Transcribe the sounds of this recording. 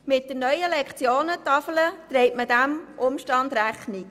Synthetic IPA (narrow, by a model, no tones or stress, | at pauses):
mɪt̚d̥ənœʏəlɛkχt͡sjoːnət̪ɑfələt̪rɛɪtmədæmʔʊmʃtɑnd̪ræχnik